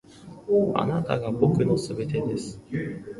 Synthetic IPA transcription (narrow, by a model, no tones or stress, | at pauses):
a̰nat̪a̰ɡabo̞kɯ̟no̞sɨbe̞t̪e̞d̪e̞sɨ̥